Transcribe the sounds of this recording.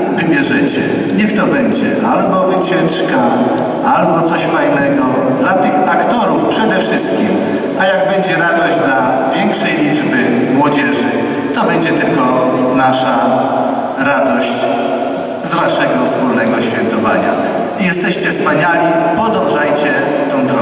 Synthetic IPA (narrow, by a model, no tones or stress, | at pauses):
vɘmʲjɛʐɪt͡ɕɛ̰ | ɲɛxt̪ɔbɛɲd͡ʑɛ̰ʔalbɔvɨt͡ɕɛt͡ʂka | albɔt̪sɔɕfajnɛɡɔ | d̪lat̪ɘxakt̪ɔɾufpʂɛd̪ɛfʂɨst̪̚kʲim | ajaɡ̚bɛɲd͡ʑɛɾad̪ɔʑd͡ʑd̪la | vʲjɛŋkʂɛjlʲid͡ʐbɘ | mwɔd͡ʑɛʐɘ | t̪ɔbɛɲd͡ʑɛt̪ɘlkɔnaʂa | ɾad̪ɔɕt͡ɕ | zvaʂɛɡɔfspulnɛɡɔɕfʲjɛnt̪ɔva̰ɲa̰ | ijɛst̪ɛɕt͡ɕɛfspaɲalʲipɔd̪ɔ̃w̃ʐajt͡ɕɛ | t̪ɛ̃w̃d̪ɾɔ